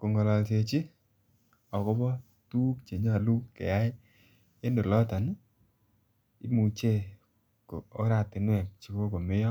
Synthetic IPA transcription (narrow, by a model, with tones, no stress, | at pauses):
ko˨ŋɔ˨lɔ˨lt͡ʃe˨t͡ʃi˦ | ɔ˨kɔ˦bɔ˦ | tuː˦kt͡ʃe˨ɲa˦˨lu˦kḛ˨a˦ɪ˦ | e˦ndo˨lɔ˦ta˨n˦ | ḭ˦mu˨t͡ʃe˦˨ | ko˨o˦ɾa˦˨tɪ˨nwɛ˨k̚t͡ʃi˨˦ko˦ko˨mɪ˦jɔ˦